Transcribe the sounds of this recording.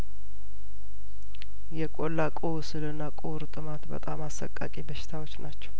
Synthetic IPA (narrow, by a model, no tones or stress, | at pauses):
jɛkʼo̞lːakʼuwsɨlɨnːakʼuɾt̪ʼɨmat̪bə̰t̪ʼamasːə̰kʼːa̰kʼibəʃɪ̥t̪ʰawot͡ʃːnʔat͡ʃːɛ̥w